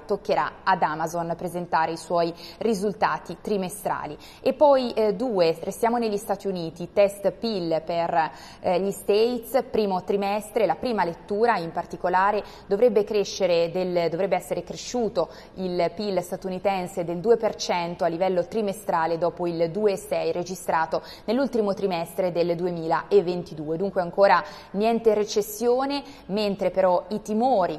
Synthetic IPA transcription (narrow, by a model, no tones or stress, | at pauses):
t̪okːeɾa̰ad̪amazonpɾezent̪aːɾeiswɔjrizult̪aːt̪it̪ɾimest̪ɾa̰ːli | epːɔjd̪uːerest̪jaːmoneʎːist̪aːt̪iuniːt̪it̪ɛst̪pilper | ʎist̪et̪spɾiːmot̪ɾimɛst̪ɾelapɾiːmalet̪ːuːɾaimpart̪ikolaːɾe | d̪ovɾɛbːekɾeʃːeɾed̪eld̪ovɾɛbːeɛsːeɾekɾeʃːuːt̪o | ilpilːst̪at̪unit̪ɛnsed̪eld̪uːepert͡ʃɛnt̪oalːivɛlːot̪ɾimest̪ɾaːled̪ɔːpoild̪uːeːsːɛjred͡ʒist̪ɾaːt̪o | nelːult̪imot̪ɾimɛst̪ɾed̪eld̪uemiːlaʔevːent̪id̪uːed̪uŋkweaŋkoːɾa | njɛnt̪eret͡ʃesːjoːne | ment̪ɾepeɾɔit̪imoːɾi